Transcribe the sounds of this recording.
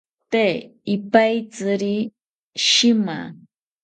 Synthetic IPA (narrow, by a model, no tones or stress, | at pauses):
t̪eɪpajt͡sɨɾi | ʃɪma̰